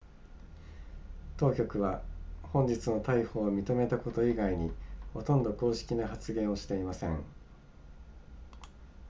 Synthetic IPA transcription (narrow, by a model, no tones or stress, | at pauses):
t̪o̞ːkʲo̞kɯ̟βahõ̞ɲ̟d͡ʑit͡sɨno̞t̪aiho̞ːmʲit̪o̞me̞t̪ako̞t̪o̞iɡaiɲ̟iho̞t̪õ̞nd̪o̞ko̞ːɕi̥kʲinaɦat͡sɨɡẽ̞ɰ̃o̞ɕi̥t̪e̞imasẽ̞ŋ